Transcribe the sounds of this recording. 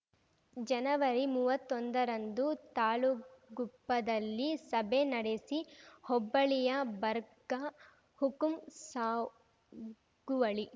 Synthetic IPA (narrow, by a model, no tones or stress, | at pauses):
d͡ʒɐnɐʋɐɾimuːʋɐt̪ːond̪ɐɾɐnd̪ut̪aːluɡupːɐd̪ɐlːisɐbenɐɽesihɔbːɐɭijɐbɐɾɡɡɐ | hukumsaː | ɡuʋɐɭi